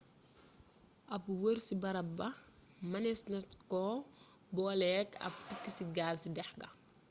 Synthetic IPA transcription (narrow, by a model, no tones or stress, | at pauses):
ʔɐpwəɾsibɐɾɐbbɐmɐnɛsnɐtkɔː | bɔːlɛːkɐ̰p̚tikːisiɡaːlsidɛħɡɐ